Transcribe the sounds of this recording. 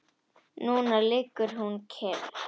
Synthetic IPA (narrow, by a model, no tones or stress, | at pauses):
nõːnəlekəɾɦuːnkʰeːl